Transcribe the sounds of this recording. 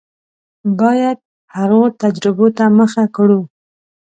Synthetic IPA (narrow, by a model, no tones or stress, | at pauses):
bɑjad̪̚ | haɣot̪ad͡ʒɾɪbot̪aməxakɽu